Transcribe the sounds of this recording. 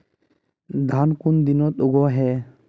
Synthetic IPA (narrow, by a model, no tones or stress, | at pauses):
d̪ʱankund̪inɔt̪̚oɡɔɦɛ